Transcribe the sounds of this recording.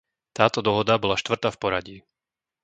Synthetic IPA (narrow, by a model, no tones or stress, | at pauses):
t̪aːt̪ɔd̪ɔɦɔd̪abɔlaʃt̪ʋr̩t̪afpɔɾaɟiː